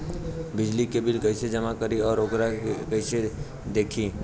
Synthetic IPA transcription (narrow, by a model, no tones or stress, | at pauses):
bɪd͡ʒlikebɪlkəɪsed͡ʒəmakəɾiɔːɾoɡɾakəɪse | d̪eːkʰĩː